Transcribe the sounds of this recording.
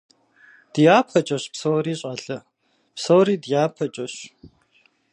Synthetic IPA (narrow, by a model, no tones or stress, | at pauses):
d̥ɨjaːpʰɐt͡ʃʼɐɕpsowriːɕʼɐɬɐ | psowɾiːdjaːpʰɐt͡ʃʼɐɕ